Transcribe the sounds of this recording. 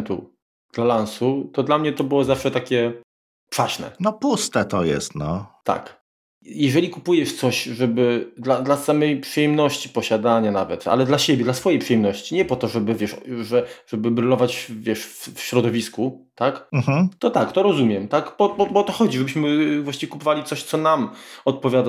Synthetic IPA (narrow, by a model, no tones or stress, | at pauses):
t̪ṵ | d̪̥lalansut̪ɔd̪lamɲɛt̪ɔbɘwɔzafʂɛt̪akʲɛ | pʂaɕnɛ̰nɔpust̪ɛt̪ɔjɛ̰st̪nɔt̪a̰k | jɛʐɛlʲikupujɛʂt̪sɔɕʐɛbɘd̪lad̪lasamɛjpʂɘjɛmnɔɕt͡ɕi̥pɔɕad̪aɲanavɛt̪a̰lɛd̪laɕebʲjɛd̪lasfɔjejpʂɨjɛmnɔɕt͡ɕiɲɛpɔt̪ɔʐɛbɘvʲjɛʂʐɛʐɛbɘbɾɨlɔvat͡ɕvʲjɛʂffɕɾɔd̪ɔvʲisku | t̪akm̩ɦm̩t̪ɔt̪akt̪ɔɾɔzumʲjɛmt̪akbɔɔbɔt̪ɔxɔd͡ʑiʐɛbɘɕmɘvwaɕt͡ɕivʲkupɔvalʲit̪sɔɕt̪sɔnamɔt̪̚pɔvʲjad̪a